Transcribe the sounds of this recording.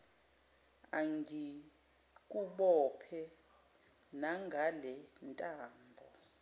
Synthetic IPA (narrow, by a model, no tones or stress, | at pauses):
aŋi | k̬ʼuɓɔpʰɛ | naŋɡʱalɛntʼaːmbʱɔ